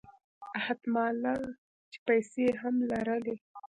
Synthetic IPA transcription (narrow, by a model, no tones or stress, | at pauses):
ahad̪mɑla | t͡ʃe̥pajseɦamlaɾəle